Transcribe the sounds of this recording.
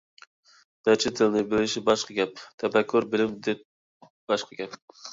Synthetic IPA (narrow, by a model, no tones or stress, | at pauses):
mæt͡ʃʰɪt̪ʰːɪlɪnɪbelɪʃɪbɑʃqɑɡʲɛp̚t̪ʰɛbɛkʲʰːʊɾbɪlɪmd̪ep̚ | b̥ɑʃqʰɑɡʲɛp